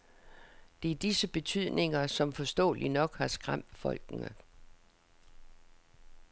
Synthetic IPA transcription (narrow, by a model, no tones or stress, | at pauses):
d̥e̝æɐd̥isəb̥e̝t͡sʰyð̞̰ˠne̝ŋɐsɒ̽mfɒ̽sd̥ɔ̰̽ːlinɒ̽ɡ̥hɑ̈sɡ̥ʁam̰d̥fɒ̽l̰ɡ̥nə